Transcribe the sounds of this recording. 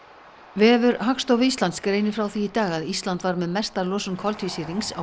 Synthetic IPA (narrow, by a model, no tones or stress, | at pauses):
vɛːvʏɾɦakst̪owvʏist̪lant̪skɾeːjnɪfɾawθiːt̪aːɣaðist̪lant̪vaɾmɛðmɛst̪aɾlɔːsʏnkʰɔlt̪ʰvisiɾiŋksa